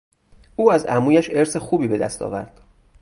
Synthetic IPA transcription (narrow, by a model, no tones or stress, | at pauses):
uːæzæmuːjæʃe̞ɾsexuːbiːbe̞d̪æ̰st̪ʰɒ̰ːvæɾd̪̥